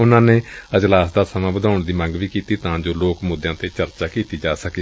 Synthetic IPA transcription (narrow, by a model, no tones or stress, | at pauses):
ʊnãːneːəd͡ʒlaːsd̪aːsəmãːbəd̪aːʊɳd̪iːmə̃ŋɡʋiːkiːt̪iːt̪ãːd͡ʒoːloːkmʊd̪jãːt̪eːt͡ʃəɾt͡ʃaːkiːt̪iːd͡ʒaːsəkiː